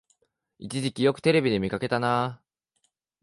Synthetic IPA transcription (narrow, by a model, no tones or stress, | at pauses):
it͡ɕiʑikʲijo̞kɯ̟̥t̪e̞ɾe̞bʲid̪e̞mʲikake̞t̪ana